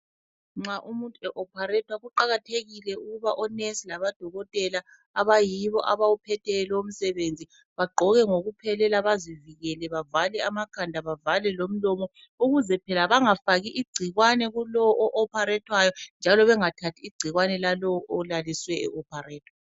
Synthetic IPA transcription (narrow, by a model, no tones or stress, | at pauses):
ŋ͡ǁaʔumuntʼuɛʔɔpʰarɛtʰwaɣuǃaɣatʰeɣilɛuɣuβaʔɔnɛsilaβad̥ʱɔɣɔtʼɛla | aβajiβɔ̰ʔaβawupʰɛtʰɛlɛom̩sɛβend͡zʱi | βaɡ͡ǃʱɔɣɛŋoɣupʰɛlɛlaβaziviɣɛlɛβavalɛamakʰandʱaβavalɛlom̩lɔmɔ | uɣuzɛpʰɛlaβaŋafaɣiʔiɡ͡ǀʱiɣwanɛɣulɔwɔʔɔʔɔpʰaɾɛtʰwajɔnd͡ʒʱalɔβɛŋatʰatʰiːɡ͡ǀ̥ʱiɣwanɛlalɔwɔʔɔlaliswɛɛ̰ʔɔpʰarɛːtʰwa